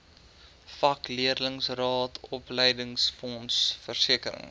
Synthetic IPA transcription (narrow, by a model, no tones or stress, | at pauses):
fɐkliərləŋsrɑːtʰɔpləjdəŋsfɔnsfərsiəkəɾə̰ŋ